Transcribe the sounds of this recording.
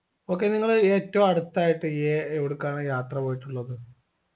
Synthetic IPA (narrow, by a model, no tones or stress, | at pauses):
o̞ːk̬ːe̞niŋːɐɭeːtːɐʋumɐɽut̪ːaːjiʈːɨjeeʋiɽukːaːɳɨjaːt̪rɐpo̞ːjiʈːuɭːɐðɨ